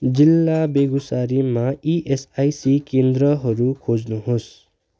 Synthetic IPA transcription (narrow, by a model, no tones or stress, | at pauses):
d͡zilːabeɡusaɾimãiʔesajsikẽnd̪ɾʌɦʌɾukʰod͡znuɦos